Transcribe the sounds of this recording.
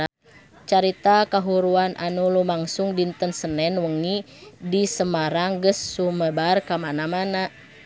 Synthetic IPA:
t͡ʃaɾit̪akaɦuɾuanʔa̰nulumaŋsuŋdint̪ənsənɛnwəŋi | disəmaɾaŋɡəsːuməbarkamanamana

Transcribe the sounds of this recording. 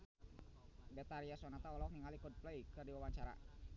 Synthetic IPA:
bɛt̪aɾiasɔnat̪aɔlɔk̚niŋalikɔd̚plejkɨrdiwawaɲt͡ʃaɾa̰

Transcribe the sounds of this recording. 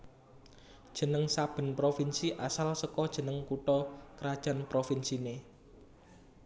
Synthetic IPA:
d̥ʒ̥ə̤nəŋsab̥ə̤npɾofinsiʔasalsəkɔd̥ʒ̥ə̤nəŋkuʈɔkəɾad̥ʒ̥a̤npɾofinsine

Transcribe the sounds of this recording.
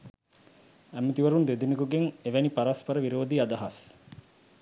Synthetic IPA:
æmet̪iʋɐɾund̪ed̪inikuɡeŋeʋænipaɾaspɐɾəʋiɾoːd̪iɐd̪ɐɦɐs

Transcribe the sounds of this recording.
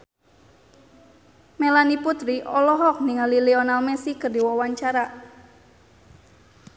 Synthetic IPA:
melaniput̪ɾiʔɔlɔɦɔk̚niŋaliliɔnalmɛsikərdiwɔwaɲt͡ʃaɾa

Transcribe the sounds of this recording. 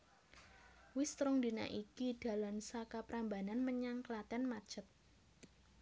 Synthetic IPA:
wɪst̪ɾʊŋd̪ina̰ʔikid̥a̤lamsakapɾambananməɲaŋkəlat̪ɛnmḁt͡ʃət̪̚

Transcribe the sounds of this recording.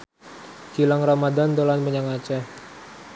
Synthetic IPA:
kilaŋramadand̪olanpəɲaŋat͡ʃa

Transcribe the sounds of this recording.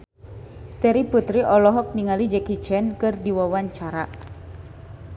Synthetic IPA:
t̪ɛɾiput̪ɾiʔɔlɔɦɔk̚niŋalid͡ʒɛkit͡ʃɛnkɨrdiwawaɲt͡ʃaɾa

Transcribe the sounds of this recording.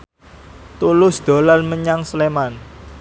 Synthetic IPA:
t̪ulʊsd̪̥o̤lanməɲaŋsleman

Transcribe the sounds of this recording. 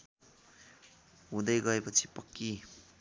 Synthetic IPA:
ɦũnd̪ʌjɡʌepʌt͡sʰi̥pʌkːi

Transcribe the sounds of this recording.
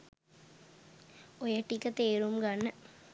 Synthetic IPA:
ojɐʈːikːɐt̪eːɾumɡɐnːə

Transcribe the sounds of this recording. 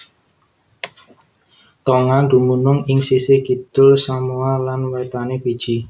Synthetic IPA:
t̪oŋand̪umunʊŋɪŋsisɪɡ̥id̪̥ʊlsamualanwet̪anefid̥ʒ̥i

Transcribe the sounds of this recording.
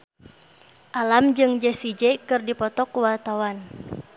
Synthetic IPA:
ʔalamd͡ʒɨŋd͡ʒɛsid͡ʒɛkɨrdipɔt̪ɔkuwart̪awan

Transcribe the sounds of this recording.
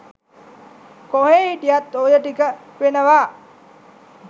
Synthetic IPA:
koɦeːhiʈijat̪ːojəʈikə | ʋenəʋaː

